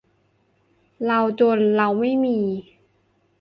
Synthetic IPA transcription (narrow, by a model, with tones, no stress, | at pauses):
la˧wt͡ɕo˧nɾa˧wma˥˩jmiː˧